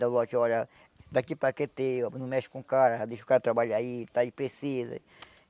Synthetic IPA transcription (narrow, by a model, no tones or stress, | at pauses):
d̪alɔt͡ʃɔɾɐ | d̪akipɾaket̪enũmɛʃu̥kũkaɾɐd̪eʃu̥kaɾɐt̪ɾabaʎait̪aipɾesizɐ̰